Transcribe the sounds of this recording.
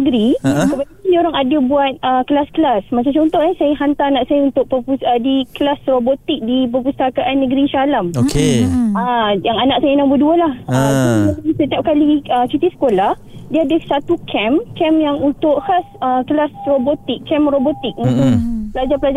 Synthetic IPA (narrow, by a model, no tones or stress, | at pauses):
əɡɾikəpadaadioɾaŋadəbuat̪̚əkəlaskəlasmat͡ʃamt͡ʃɔnt̪ɔhnasajəɦant̪aanaʔsajaunt̪ʊʔ̚pəpuədikəlasrobot̪ɪk̚dip̬əpust̪akaʔanːəɡɾisalamokeəjaŋanaʔ̚sajənãŋbəduəlahəaaasət̪iap̚kaliəsit̪isə̥kolah | diəadəsat̪ukʰɛmkɛmjaŋunt̪ʊʔhasəkəlasrobot̪ɪkːɛmrobot̪ɪk̚unt̪ʊkpəlad͡ʒapəlad͡ʒ